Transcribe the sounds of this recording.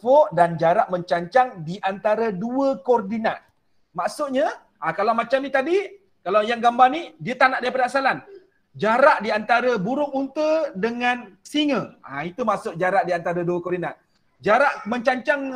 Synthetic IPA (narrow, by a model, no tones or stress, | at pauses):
pɔʔdand͡ʒaɾaʔ̚məɲt͡ʃaɲt͡ʃaŋdiʔant̪aɾəduəkɔrdinat̪̚ | maʔsʊʔɲa | ʔakalawmat͡ʃamnit̪adi | kalawjaŋɡambarnidiət̪anaʔdaɾipadaːsalan | d͡ʒaɾaʔdiant̪aɾəbuɾʊŋunt̪ədəŋãnsiŋə̃a̰it̪umaʔsʊʔ̚d͡ʒaɾaʔ̚diant̪aɾəduəkɔrdinat̪̚ | d͡ʒaɾaʔmə̃ɲt͡ʃaɲt͡ʃaŋ